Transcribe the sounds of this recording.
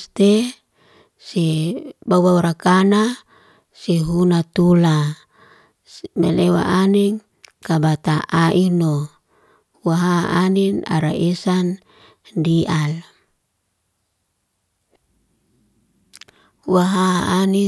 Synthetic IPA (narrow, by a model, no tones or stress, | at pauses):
t̪e | sebawauɾakana | seɦunat̪ula | melewa̰ʔaneŋ | kabat̪aʔaʔino | waɦaanina̰ɾa̰ʔesan | dial | waɦaːni